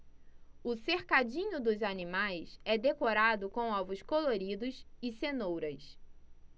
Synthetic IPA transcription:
ʊseχkad͡ʒĩɲʊd̪ʊzanimajsɛd̪ekoɾad̪ʊkõw̃ɔvʊskoloɾid̪ʊsɪsenowɾɐs

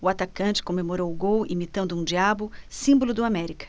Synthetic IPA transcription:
ʊat̪akɐ̃nt͡ʃɪ̥kõmemoɾowʊɡowimit̪ɐ̃nd̪ʊũd͡ʒiabʊsĩmbolʊd̪ʊamɛɾikɐ̥

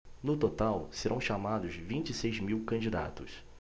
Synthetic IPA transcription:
nʊt̪ot̪awseɾʔɐ̃w̃ʃamad̪ʊzvĩnt͡ʃisejzmiwkɐ̃d͡ʒid̪a̰t̪ʊs

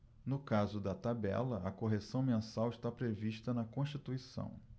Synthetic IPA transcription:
nʊkazʊd̪ɐt̪abɛ̰lɐɐkoɦesɐ̃w̃mẽsawɪʃt̪apɾeviʃt̪ɐnɐkõʃt͡ʃit̪uisɐ̰̃w̃

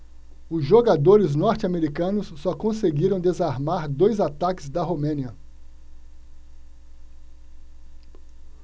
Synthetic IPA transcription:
ʊzʒoɡad̪oɾɪznɔɾt͡ʃɪameɾikɐ̃nʊsːɔkõseɡiɾɐ̃w̃d̪ezaɾmaɾd̪ojzat̪akɪ̥zd̪ɐɦomẽniɐ

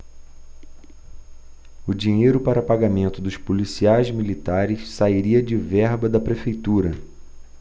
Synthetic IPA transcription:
ʊd͡ʒiɲejɾʊpaɾɐpaɡamẽnt̪ʊd̪ʊʃpulisiajzmilit̪aɾɪssaiɾiɐd͡ʒɪvɛɾbɐd̪ɐpɾefejt̪uɾɐ

